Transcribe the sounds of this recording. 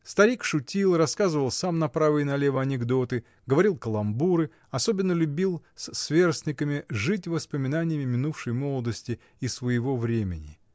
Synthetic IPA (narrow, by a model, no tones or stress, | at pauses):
st̪ɐɾʲikʂʊtʲilˠrɐskazɨvəlˠsamnɐpɾavɨjnɐlʲe̞vəɐnʲɪɡd̪o̞t̪ɨ | ɡəvɐɾʲilˠkəlˠɐmbuɾɨ | ɐso̞bʲɪnːəlʲʊbʲilˠssvʲe̞rsʲnʲɪkəmʲɪʐɨt̬ʲvəspəmʲɪnanʲɪjəmʲɪmʲɪnufʂəjmo̞lˠəd̪əsʲtʲɪ | ɪsvəjɪvo̞vɾʲemʲɪnʲɪ